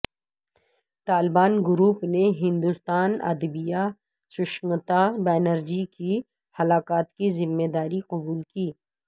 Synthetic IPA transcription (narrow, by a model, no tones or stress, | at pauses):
t̪aːlɪbaːnɡʊɾuːpneɦɪ̃nd̪ust̪aːnɐ̰d̪bija | sʊʃmət̪abaːnəɾd͡ʒiki | hɐlaːkaːt̪kizɪmːeːd̪aːɾiqɐbuːlkiː